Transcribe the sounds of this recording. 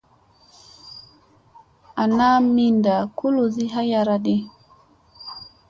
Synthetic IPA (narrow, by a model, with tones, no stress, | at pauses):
ʔa˨na˦mi˦nda˨ku˦lu˨zi˦ɦa˦ja˨ɾa˦ɗi˦